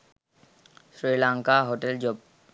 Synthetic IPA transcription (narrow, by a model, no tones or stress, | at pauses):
sɾilaŋkaɦoʈeld͡ʑob̚